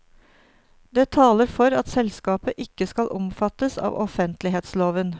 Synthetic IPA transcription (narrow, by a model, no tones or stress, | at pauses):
d̪eːt̪ʰɑːləɾfɔɾɑt̪sɛlskɑːpəʔɪkːəskɑlʔɔmfɑt̪əsɑ̰ːʋʔɔ̰fənt̪lɪɦeːt̪sloːʋən